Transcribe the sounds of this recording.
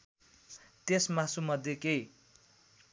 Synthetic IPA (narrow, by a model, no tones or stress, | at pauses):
t̪esmasumʌd̪ʱjekej